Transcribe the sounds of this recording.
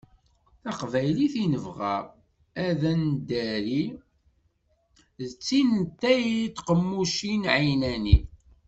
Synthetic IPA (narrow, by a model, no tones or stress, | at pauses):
θɑqvæjliθinəvʁæ̰ | æðænd̪æɾi | ðət͡sːint̪ːæjit̪ːqəmːuʃinʕinæni